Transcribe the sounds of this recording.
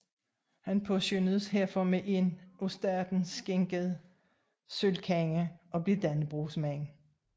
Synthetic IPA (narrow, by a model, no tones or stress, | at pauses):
hænpʰɔɕønð̩ˠsɦeɐ̰fɒmeʔe̝nʔosd̥æɐd̥n̩sɡ̥eŋɡ̥əð̩ˠ | sølkʰæŋəʔɒ̽b̥le̝d̥ænb̥ʁuːsmæŋ